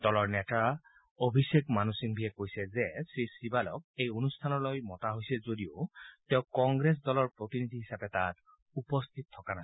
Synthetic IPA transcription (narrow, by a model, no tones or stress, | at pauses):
d̥ɔlɔɹnɛta | obʱisekmanusiŋbʱijɛkojsɛzɛsɹisibalɔ̰kejonustʰanɔlojmɔtaɦojsɛzodio̰tɛʊ̃kɔŋɡɹes̬dɔlɔɹpɹotinidʱiɦisapɛtat | upɔst̪ʰit̪̚tʰːɔkanasɛ